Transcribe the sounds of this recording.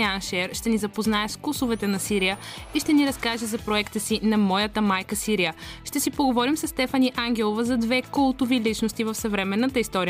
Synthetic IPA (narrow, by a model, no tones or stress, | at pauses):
anʃɛɾʃt̪ɛnizɐpoznaɛskusovɛt̪ɛnɐsiɾijəiʃt̪ɛniɾɐskaʒɛzɐpɾoɛkt̪əsinɐmɔjət̪əmajkəsiɾijəʃt̪ɛsipoɡovɔɾimsɐsːt̪ɛfɐniʔaŋɡʲɛlˠovəzɐd̪vɛkɔlˠt̪ʊvilit͡ʃnost̪ivəfsɐvɾɛmɛnːət̪əist̪ɔɾi